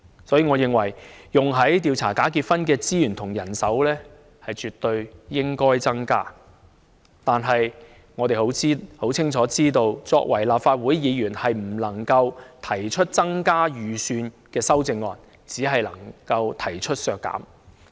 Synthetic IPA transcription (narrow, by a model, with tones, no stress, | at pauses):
sɔː˨˥jiː˧ŋɔː˨˧jɪ˨ŋwɐ˨˩jjʊ˨ŋɦɐ˨˥jt̪iː˧wt͡sʰaː˨˩kaː˨˥kiː˧t̚fɐ˥nkɛː˧t͡siː˥jyː˨˩nt̪ʰʊ˨˩ŋjɐ˨˩nsɐ˨˥wlɛː˥ | hɐ˨jt͡ʃyː˨t̪ːɵ˧ɥjɪ˥ŋkɔː˥jt͡sɐ˥ŋka̰ː˥ | t̪aː˨nɦɐ˨j | ŋɔː˨˧t̪e˨jho˨˥wt͡siː˥ho˨˥wt͡sʰɪ˥ŋt͡ʃʰɔː˨˥t͡siː˥t̪o˧wt͡sɔː˧k̚wɐ˨˩jlaː˨p̚faː˧t̚wuː˨˥jjiː˨˧jyː˨˩nhɐ˨jm̩˨˩lɐ˨˩ŋkɐ˧wt̪ʰɐ˨˩jt͡ʃʰɵ˥t̚t͡sɐ˥ŋkaː˥jyː˨syː˧n | kɛː˧sɐ˥wt͡sɪ˧ŋːɔː˨n | t͡siː˨˥ɦɐ˨jlɐ˨˩ŋkɐ˧wt̪ʰɐ˨˩jt͡ʃʰɵ˥t̚sœː˧kːa̰ː˨˥m